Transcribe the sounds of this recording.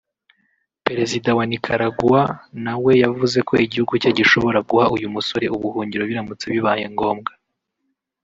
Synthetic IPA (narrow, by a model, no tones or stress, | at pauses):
pe̞ɾe̞zidawanikʰaɾaɡuwanawe̞javuze̞kʰo̞iɟihuɡucaɟiʃo̞βo̞ɾaɡuhaʔujumuso̞ɾe̞uβuhuːɲɟiɾo̞βiɾamut͡seβiβaːjeŋɡo̞ːmɡa